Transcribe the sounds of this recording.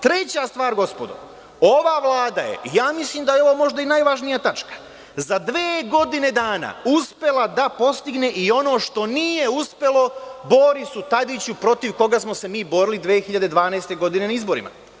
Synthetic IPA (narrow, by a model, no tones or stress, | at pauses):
t̪ɾe̞t͡ɕast̪ʋaːɾɡo̞spo̞d̪o̰ | o̞ʋaʋlˠaːd̪aje̞̰ijaːmislimd̪ajeo̞ʋomo̞ʒd̪ainajʋaʒnijat̪at͡ʃkḁ | zad̪ʋeːɡo̞d̪ine̞d̪aːna̰uspe̞lad̪apo̞st̪iɡne̞ʔio̞no̞ːʃt̪o̞niːje̞uspe̞lˠo̞bo̞ɾisut̪ad̪it͡ɕupɾo̞t̪iʋko̞ɡasmo̞se̞miːbo̞ɾilid̪ʋe̞ːxiʎad̪e̞d̪ʋaːnaest̪e̞ɡo̞d̪ine̞naizbo̞ɾḭma̰